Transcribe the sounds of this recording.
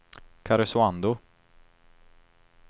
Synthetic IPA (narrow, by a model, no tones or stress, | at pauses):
kʰaɾʊsʊand̪ʊ